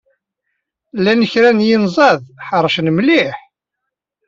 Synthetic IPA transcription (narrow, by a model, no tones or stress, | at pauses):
lːænəçɾænjinzˤɑðħəɾˤəʃnmliħ